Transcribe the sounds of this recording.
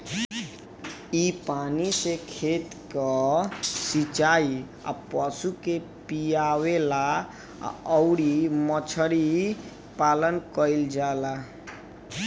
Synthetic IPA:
ipanisekʰet̪kə | sit͡ʃai | a̰pəsuke | pijawela̰ | əʊɾimət͡ʃʰəɾi | palənkəild͡ʒala

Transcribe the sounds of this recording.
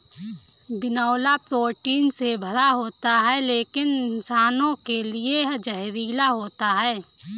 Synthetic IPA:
bɪnaːlapɾoːʈiːnsebʱəɾaɦoːt̪aɦɛleːkɪnɪnsaːnõkelieɦd͡ʒəɦɾiːlaɦoːt̪aɦɛː

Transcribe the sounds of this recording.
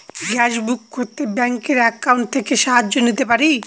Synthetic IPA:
ɡɛʃbukːoɾt̪ebɛŋkeɾɛkːawɳʈ̚t̪ʰekeʃaɦad͡ʑːonit̪epaɾi

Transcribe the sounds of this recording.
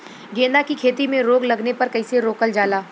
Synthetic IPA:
ɡẽːnd̪akikʰeːt̪imẽɾoːɡlɐɡnepɐɾkɐiseɾoːkəld͡ʒaːlaː

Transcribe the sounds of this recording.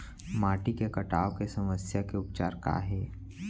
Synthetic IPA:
maːʈikekɐʈaːokesɐməsjakeʊpt͡ʃaːɾka̰ːɦɛː

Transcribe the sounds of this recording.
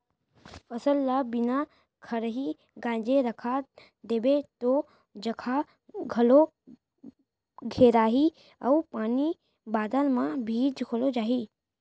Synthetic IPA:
fɐsəlːabɪna | kʰəɾəɦi | ɡãːd͡ʒeɾəkʰa | d̪eːbet̪o | d͡ʒɐkʰa | ɡʱɐlo | ɡʱeːɾaːɦi | ɐupaːni | baːd̪aːnmãbʱiːd͡ʒkʰolod͡ʒaːɦiː

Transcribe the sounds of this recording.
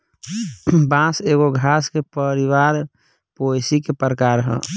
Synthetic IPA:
bãseɣoɡʱaskepəɾiwaɾ | pojsikepəɾəkaɾɦɛ̰̃

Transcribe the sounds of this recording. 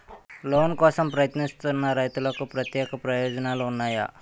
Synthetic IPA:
lonkɔsəmpɾəjət̪nist̪ənːaɾajt̪ulakupɾət̪jekpɾəjod͡znalonːaja̰

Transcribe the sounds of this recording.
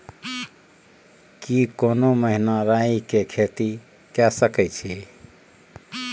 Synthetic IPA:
kikoːnoməɦinaɾaikekʰet̪i | kasəkɛt͡ʃʰi

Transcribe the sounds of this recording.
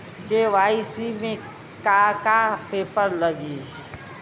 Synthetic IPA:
keʋaːisimẽ | kakapeːpəɾləɡi

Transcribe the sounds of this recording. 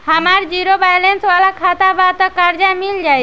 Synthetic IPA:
hamaɾd͡ʑiɾobajlensbalakʰat̪abat̪ɔkaɾd͡ʒamild͡ʒaj

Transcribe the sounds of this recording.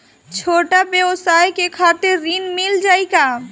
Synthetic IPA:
t͡ʃʰoʈabjewsajkekʰat̪eɾːinmild͡ʒajka

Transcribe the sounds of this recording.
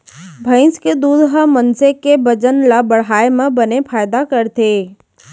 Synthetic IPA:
bʱə̃ɪ̃nsked̪uːd̪ɦəmənsekebəd͡ʒənlabɐɽɦaːemẽbənepʰaːɪd̪akəɾt̪ʰeː

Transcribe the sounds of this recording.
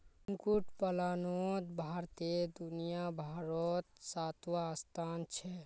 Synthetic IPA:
ŋkuʈpəlanod̪bʱaɾt̪ed̪unijabʱaɾɔt̪sat̪wast̪ʰant͡ʃʰɛ

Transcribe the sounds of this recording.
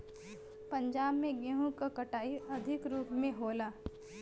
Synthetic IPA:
pɐ̃ɲd͡ʒaːbmẽɡeɦũkakɐʈaːiʔɐd̪ʱɪkɾuːpmẽɦoːlaː

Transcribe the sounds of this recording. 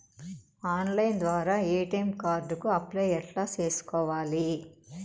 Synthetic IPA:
aːnlɐjnd̪ʋaːɾaːeːʈɐjmkaːɾɖukuɐplɐjɛʈlaːt͡ʃe̞ːsu̥kɔːʋaːli

